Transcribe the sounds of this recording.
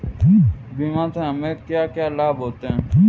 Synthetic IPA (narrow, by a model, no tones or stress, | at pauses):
bʱiːmãːt̪ẽɦəmẽːkjaːkjaːlaːbɦoːt̪eɦɛ̃ː